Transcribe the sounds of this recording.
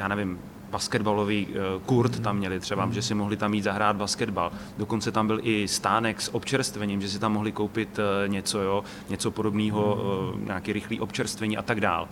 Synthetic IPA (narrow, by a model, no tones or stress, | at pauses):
jaːnɛvɪm | baskɛdbaloviːkuɾt̪t̪ːamːɲɛlɪt̪r̝̥ɛbaʒɛsɪmoɦlɪt̪amːiːd̪zaɦɾaːd̪̚baskɛdbaldoko̞nt͡sɛt̪ambɪlʔɪst̪aːnɛksʔopt͡ʃɛɾst̪vɛɲɪmʒɛs̬ɪt̪amːo̞ɦlɪkowpɪt̪ɲɛt͡so̞jo | ɲɛt͡so̞po̞do̞bniːɦo̞ɲʔa̰ːkiːɾɪxliːʔo̞pt͡ʃɛɾst̪vɛɲiːʔa̰t̪aɡda̰ːl